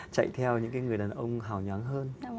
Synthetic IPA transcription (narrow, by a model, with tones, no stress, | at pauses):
t͡ɕa̰˧˨jt̪ʰɛ˧wɲɨ̰˧˥ŋkaː˨˦jŋɨ˨˩əjɗaː˨˩nʔə˧wŋ͡mɦaː˨˩wɲwa˨˦nɦəː˧n